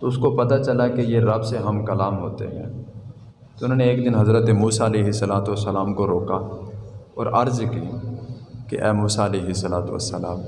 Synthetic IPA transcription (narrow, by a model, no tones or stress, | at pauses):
t̪oʊskopɐt̪at͡ʃɐlakejeɾɐbseɦɐmkɐlaːmɦo̰ːt̪ḛɦɛ̰̃ː | t̪oʊn̤ɦoːneeːkd̪ɪnɦɐzɾət̪emuːsaɐleːɦɪsːɐlaːt̪uʋəsːɐlaːmkoɾoːka | ɔːɾɐɾzki | kḛʔɛːmuːsaɐleːɦɪsːɐlaːt̪uʋɐ̰sːəlaːm